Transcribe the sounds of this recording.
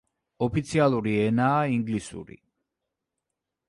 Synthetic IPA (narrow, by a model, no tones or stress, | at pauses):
ɔpʰit̪sʰialˠuɾiɛnaːiŋɡlisṵɾḭ